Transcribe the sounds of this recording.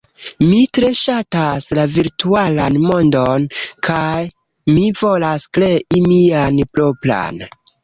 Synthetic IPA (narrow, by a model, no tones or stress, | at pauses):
mitɾe̞ʃataslaviɾtualanmo̞ndonkʰaj | mivo̞laskleʔimianplopla̰n